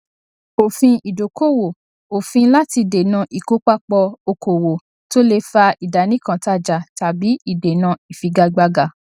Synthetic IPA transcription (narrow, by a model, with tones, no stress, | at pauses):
o˨fĩ˧i˨do˨ko˦˨wo˨ | o˨fĩ˧la˦ti˧de˨nã˧ʔi˨ko˨˦k͡pa˦k͡pɔ˧o˧ko˨wo˨ | to˦le˧fa˧i˨da˨˦nĩ˦kã˧ta˦˨d͡ʒa˨ta˨bi˨˦i˦˨de˨nã˧i˨fi˧ɡa˧ɡ͡ba˧ɡa˧